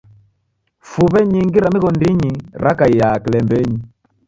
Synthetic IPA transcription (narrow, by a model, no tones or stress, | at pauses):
fuβɛɲiŋɡiɾamiɣɔndiɲiɾakaijakilɛmbɛɲi